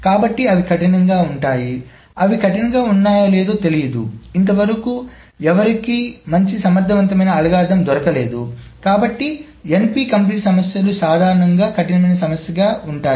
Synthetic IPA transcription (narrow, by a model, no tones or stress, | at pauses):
kaːbɐʈːiɐʋikʰɐʈinɐŋɡaːuɳʈaːji | ɐʋikʰɐʈinɐɡaːunːaːjɐleːd̪oːt̪e̞lijɐd̪ṵint̪ɐʋɐɾɐkuː | ɛʋɐɾikiːmɐɲt͡ʃisɐmɐɾd̪ʱːɐʋɐnt̪ɐmɐjnɐːlɐɡaːd̪ɐmd̪ʱɔɾɐkɐleːd̪ukaːbɐʈːi | empiːkɐmpɐnisɐmɐsjɐlusaːd̪ʱaːɾɐɳɐŋɡaːkʰɐʈinɐmɐjnɐsɐmɐsjɐɡaːuɳʈaː